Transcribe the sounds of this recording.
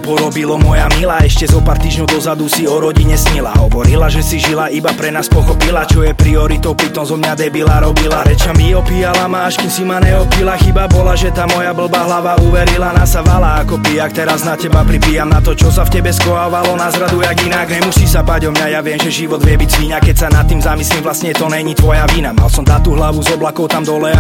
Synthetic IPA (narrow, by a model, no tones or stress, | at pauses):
pɔɾɔbilɔmɔjamilaɛʃcɛzɔpaːɾt̪iːʒɲɔʊd̪ɔzad̪usiɔɾɔɟiɲɛsɲila̰ɦɔʋɔɾilaʒɛsiʒilaʔibapɾɛnaːspɔxɔpilat͡ʃɔjɛpɾiɔɾit̪ɔʊpɾit̪ɔmzɔmɲad̪ɛbilaɾɔbilaɾɛt͡ʃamiɔpijalamaːʃkusimaɲɛɔpilaxibabɔlaʒɛt̪amɔjabl̩baːɦlaʋauʋɛɾilanasaʋalaːkɔpijakt̪ɛɾaznacɛbapɾibiːjamnat̪ɔt͡ʃɔsafcɛbɛskɔaʋalɔnazɾad̪ujaɡinaɡnɲɛmusisabaɟɔmɲajaʋɪɛmʒɛʒiʋɔd̪ʋɪɛbiɟzʋiːnakɛcsanat̪ːiːmzamislimvlasɲɛt̪ɔnɛɲit̪ʋɔjaʋiːnama̰lsɔmt̪at̪uːɦlaʋuzɔblakɔʊt̪amd̪ɔlɛ